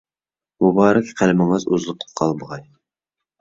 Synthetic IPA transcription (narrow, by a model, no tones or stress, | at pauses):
mubɑːɾɛkʲqʰælmɪŋɨzuzlˠʊq̚t̪ʰə̥qʰːɑlˠbəʁɑj